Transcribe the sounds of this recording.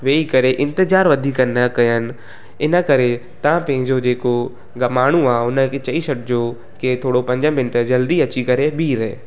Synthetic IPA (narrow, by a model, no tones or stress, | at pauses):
ʋeːikɐɾeʔɪ̃nt̪ɪzaːɾʋɐd̪ʱiːkənəkɐjənɪ̆ | ɪnə̆kɐɾe | t̪ɐãpɐ̃ɦɪ̃ɲd͡ʑod͡ʑeːko | ɡɐmaːɽ̤̃ũaːʊnə̆kʰet͡ɕɐiʃɐʈd͡ʑoː | ket̪ʰoːɽopɐ̃ɲd͡ʑəmɪ̃nʈəd͡ʑɐld̪iɐt͡ɕikɐɾebʱiːɾḛː